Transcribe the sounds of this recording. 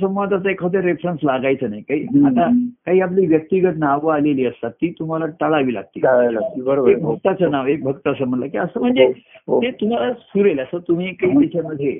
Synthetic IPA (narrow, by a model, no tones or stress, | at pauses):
səmʋad̪ʱat͡s̪əekʰəd̪eɾefɾənslaɡajt͡sənajkaɦiːat̪akaɦiːap̬liːʋjək̚t̪iɡət̪naʋəaleliːəst̪at̪ːiːt̪um̤alaʈəɭaʋiːla̰ɡ̚t̪iːabəɾoek̚bʱək̚t̪at͡sənaʋek̚bʱəkt̪əəsəm̤əʈləkiəsəːm̤əɳd͡zeet̪um̤alasuɾeləsət̪um̤iːkaɦiːt̪et͡ɕaməd̪ʱje